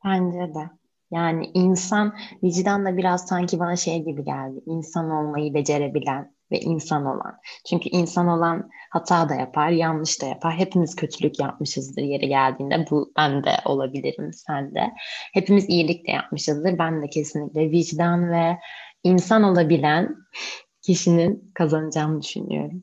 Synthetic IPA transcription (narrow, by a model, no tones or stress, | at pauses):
b̥ænd͡ʒɛd̪ɛ | jaːnḭʔinsanvid͡ʒd̪and̪abiɾaz̥saɲcʰibanaʃe̞jɟibiɟælʲd̪ɪinsano̞lˠmajɯbe̞d͡ʒe̞ɾe̞bilʲæn | vɛ̰ʔinsano̞̰lˠa̰nt͡ʃʰyɲcʰyʔinsano̞lˠanhat̪ʰaːd̪ajapʰaɾjanlˠɯʃt̪ʰaja̰pʰaɾɦe̞pʰimiz̥cʰø̞t̪ʰylʲycjap̚mɯʃɯzd̪ɯɾje̞ɾɛɟælʲd̪iːnd̪ɛbub̥ænd̪ɛ̰ʔo̞lˠabilʲiɾḭmsænd̪ɛ̰he̞pimizijilʲic̚lʲɛ̰ja̰p̚mɯʃɯzd̪ɯɾbænd̪ɛcʰe̞sinlʲicʲlʲɛviʒd̪anvɛinsano̞lˠabilʲæn | cʰiʃininkʰazanɯd͡ʒaːmɯd̪yʃy̰ny̰jo̞̰ɾum